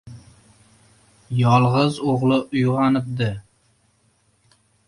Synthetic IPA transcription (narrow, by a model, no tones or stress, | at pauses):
jɒlˠʁɨzoʁlˠɪʔʊjʁɑnɪp̚d̪ɪ